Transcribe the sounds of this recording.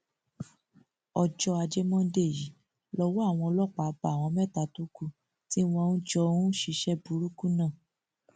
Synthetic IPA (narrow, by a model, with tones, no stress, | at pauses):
ɔ˧d͡ʒɔ˧a˧d͡ʒɛ˦mɔ̃˦de˦˨ji˨˦ | lɔ˧wɔ˦a˦˨w̃ɔ̃˧ɔ˧lɔ˦˨k͡pa˨˧˦ba˨w̃ɔ̃˧˦mɛ˦˨ta˧˨tu˦ku˦˨ | ti˦w̃ɔ̃˧nũ˦d͡ʒɔ˧ũ˦ʃi˧ʃɛ˦bu˨˦ɾu˦ku˦nãː˦˨